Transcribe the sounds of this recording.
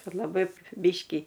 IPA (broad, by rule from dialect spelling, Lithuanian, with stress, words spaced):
ˈkɐt lˠɐˈbɐɪ ˈbʲɪʃʲkʲiː